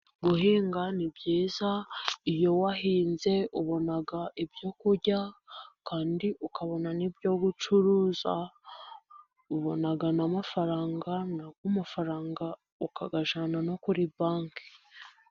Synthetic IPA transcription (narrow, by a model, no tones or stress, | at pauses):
ɡuhiːŋɡanibjiːzaijo̞wahiːnze̞ʔuβo̞naɡaibjo̞kuɾɟakaːndiʔukʰaβo̞nanibjo̞ɡut͡ʃuɾuːza̰ | uβo̞naɡanamafaɾaːŋɡanaɡɡwumafaɾaːŋɡa | uka̰ɡaʒanano̞kuɾibaːŋki̥